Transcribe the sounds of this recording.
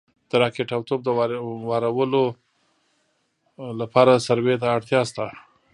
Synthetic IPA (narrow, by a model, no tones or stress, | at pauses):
d̪̥əɾɑkeʈawt̪ob̚d̪əwwɑɾawəlo | lapɑɾasaɾwet̪aːɽt̪jɑst̪a